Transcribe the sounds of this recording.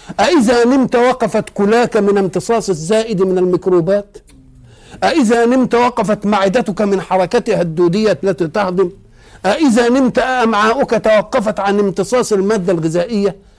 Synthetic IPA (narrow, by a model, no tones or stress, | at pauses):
ʔæʔɪzanɪmt̪awɑqːɑfat̪kʊlaːkæmɪnɪmt̪ɨsˤɑːsˤɪzːaːʔɪd̪mɪnalmakɾuːbaːt̪ | ʔæʔɪzanɪmt̪awɑqːɑfat̪maʕɪd̪at̪ʊkamɪnħɑɾˤɑkat̪had̪ːuːd̪ɪjːalːat̪it̪ɑhd̪ɪm | ʔæʔɪzanɪmt̪aʔaʔamʕaːʔʊkæt̪awɑqːɑfɑt̪ʕanɪmt̪ɨsˤɑːsˤalmaːd̪ːalɣɪzaːʔɪjːa